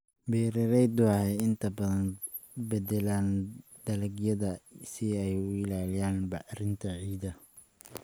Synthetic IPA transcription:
bɛːɾɪɾɛjd̪ʊɑhɛjɪnt̪ʰɐbɐðɐn | bɛdɛlaːnd̪̥ɐlɐɡjɐðɐsɪɛjʊɪlaːlɪjaːnbɑħɾɪnt̪ʰɐʕiːd̪ɐ

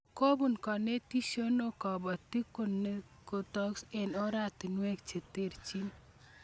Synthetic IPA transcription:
kobunkɔnet̪isɔnokabət̪ikone | kot̪ɔksenɔɾat̪inuekt͡ʃʰet̪eɾt͡ʃin

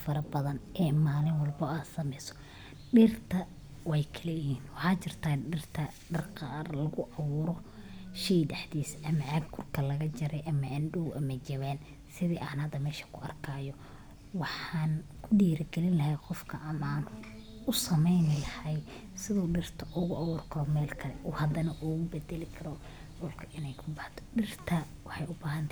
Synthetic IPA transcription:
fɐɾɐbɐðɐnʔɛːmaːlɪnwɑlbɔaːd̪sɐmɛjsɔ̥ | ɖɪːrt̪ʰɐ | wɛjkʰɐlɛhiːnwɑħɑːt͡ʃɪrt̪ʰaːɪrt̪ʰɐ | ɖɐrqɑːrlɐɣʊʔɐβʊːɾɔ | ʃiɖɐħd̪iːsɐmɐʕɐɡ̚kʰʊrkʰɐlɐɣɐt͡ʃɐɾɛjʔɐmɐʔɐnɖuwʔɐmɐt͡ʃɐβɛːn | sɪðiːʔa̰ːnhɐd̪ːɐmɛːʃɐ̥kʰʊɐrkʰaːjɔ | wɑħaːnkʰʊɖiːɾɐɡɛlɪnlɐhɛjqɔfkʰɐʔɐnaːn | ʊsɐmɛjnɪlɐhɛj | sɪðɔːɖɪrt̪ʰɐʔʊɣʊʔawɔːrkʰɔːmɛːlkʰɐlɛʔʊhɐd̪ɐnɐʔuːɣʊbɛd̪ɛlɪkʰɐɾɔ | ɖɔːlkʰɐʔɪnɛjkʰʊbɑħt̪ʰɔ̥ɖɪrt̪ʰɐwɑħɑjʊbaːɦɐnt̪ʰa

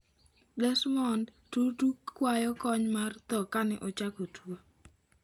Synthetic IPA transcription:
dɛsmɔnd | tutukːwajɔkɔɲmart̪ɔkanɛʔot͡ʃakotʰuo

